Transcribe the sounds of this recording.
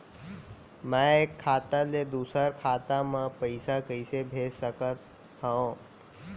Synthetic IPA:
mɛ̃ekʰːaːt̪aled̪uːsəɾkʰaːt̪amãpəɪsakəɪsebʱeːsəkət̪̚ | ɦə̃õ

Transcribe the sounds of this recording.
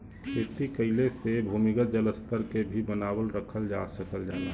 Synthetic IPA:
kʰeːt̪ikəɪlesebʱumiɡəd͡ʒələst̪əɾkebʱibənaːbəlɾəkʰəld͡ʒasəkəld͡ʒaːna

